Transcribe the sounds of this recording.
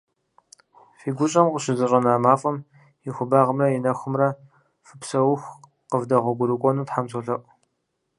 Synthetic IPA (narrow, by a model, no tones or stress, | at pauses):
fiːɡʷʊɕʼɐmqʷʼʊɕɪzɨɕʼɐnaːmaːfʼɐm | jɪxʷʊbaːʁəmɐjɪnɐxʷʊmrɐ | fɨpsɐwʊxʷ | qəvdɐʁʷɔɡʷʊɾɨkʷʼɔnuːtħamzoɬɐʔʷʼ